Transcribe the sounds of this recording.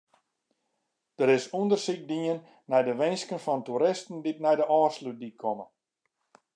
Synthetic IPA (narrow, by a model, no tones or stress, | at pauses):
d̥əɾɪsundərsik̚diənː | ɛjdəʋɪnskənfɔntuɾɪstn̩dit̚nɛjdəʔɔːslut̚dikʰɔmə